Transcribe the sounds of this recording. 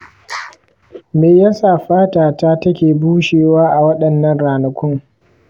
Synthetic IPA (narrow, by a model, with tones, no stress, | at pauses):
meː˨ja˦saː˨ɸaː˦taː˨ta˦tɐ˦kʲeː˨buː˦ʃeː˨waː˦ʔa˨wɐ˦ɗɐ˨nːɐ˨nɾaː˨nɐ˨kʷʊ˦ŋ